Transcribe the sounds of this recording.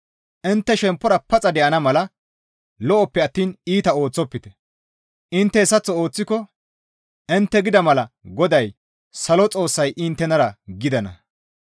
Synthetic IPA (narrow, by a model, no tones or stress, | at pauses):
ʔɪnt̪ːɛʃɛmpːɔɾɐpɐt͡sʼɐd̪ɛʔɐnɐmɐlɐ | lɔʔɔpːɛɐt̪ːiːniːt̪ɐo̞ːt͡sːɔpːɪt̪ɛ̥ | ʔɪnt̪ːɛɛsɐt͡sːɔo̞ːt͡sːɪkɔ | ʔɪnt̪ːɛɡɪd̪ɐmɐlɐɡɔd̪ɐj | sɐlɔt͡sʼo̞ːsːɐjʔɪnt̪ːɛnɐɾɐɡɪd̪ɐnɐ̰